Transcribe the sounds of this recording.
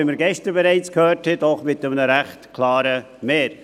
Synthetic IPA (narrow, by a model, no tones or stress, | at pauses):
ɪməɾɡɛʃtəɾbɛɾɛɪt͡skhøːthɛtɔχmɪtəmnəɾæχtkʰlɑːɾə | meːɾ